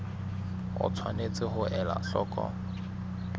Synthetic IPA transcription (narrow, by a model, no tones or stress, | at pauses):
ʊ̰t͡sʰwanet͡sʼɪɦʊʔɛla̰ɬɔːkʼɔ̰